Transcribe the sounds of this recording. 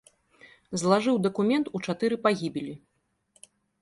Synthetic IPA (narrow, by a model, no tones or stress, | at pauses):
zlˠaʐɨwd̪ɐkumʲɛnt̪ut͡ʂat̪ɨɾɨpaɣʲibʲilʲi